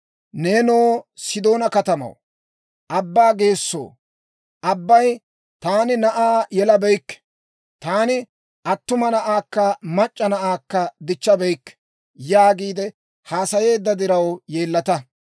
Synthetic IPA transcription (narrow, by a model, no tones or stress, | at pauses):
neːnoːsɪd̪o̞ːnɐkɐt̪ɐmɐ̰w | ʔɐbːaːɡe̞ːsːo̰ː | ɐbːɐj | t̪aːnɪnɐʔaːjɛlɐbɛjkːɛ̥ | t̪aːnɪ | ɐt̪ːʊmɐnɐʔaːkːɐmɐt͡ʃʼːɐnɐʔaːkːɐd̪ɪt͡ʃːɐbɛjkːɛ̥ | jaːɡiːd̪ɛ | haːsɐje̞ːd̪ːɐd̪ɪɾɐwjeːlːɐt̪ɐ